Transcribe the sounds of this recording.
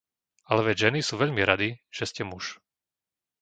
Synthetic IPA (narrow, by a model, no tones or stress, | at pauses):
alɛʋɛɟʒɛnisuːʋɛʎmiɾad̪iʒ̥ɛscɛmuʃ